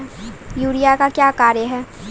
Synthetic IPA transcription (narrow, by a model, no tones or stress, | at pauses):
juːɽijakakjaːkaːɾjəɦɛː